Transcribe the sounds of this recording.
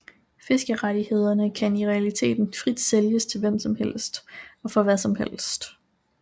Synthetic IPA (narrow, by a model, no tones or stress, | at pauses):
fe̝sɡ̥əʁad̥ihe̝ð̞̰ˠɐnəkʰæniʁɛælit͡sʰe̝̰ːd̥n̩fʁid̥seljəst͡sʰe̝lʋem̰sɒ̽mhel̰sd̥ɒ̽fɒ̽ʋæsɒ̽mhel̰sd̥